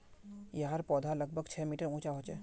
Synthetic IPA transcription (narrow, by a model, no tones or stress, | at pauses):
jəɦəɾpɔːd̪ʱalɐɡ̚bʱəɡt͡ʃʰɛːmiːʈəɾũːt͡ʃaɦoːt͡ʃeː